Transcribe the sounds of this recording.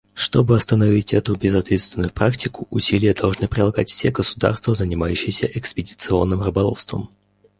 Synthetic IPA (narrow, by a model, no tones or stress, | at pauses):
ʂt̪o̞bɨɐst̪ənɐvʲitʲɛt̪ʊbʲɪzɐt̪vʲet̪st̪vʲɪnʊjʊpɾaktʲɪkʊʔʊsʲilʲɪjəd̪ɐlˠʐnɨpɾʲɪlˠɐɡatʲfsʲeɡəsʊ̥d̪a̰rst̪vəzənʲɪmajʉɕːɪjsʲəʔɛkspʲɪdʲɪt̪sɨo̞̰nːɨmrɨbɐlˠo̰fst̪və̰m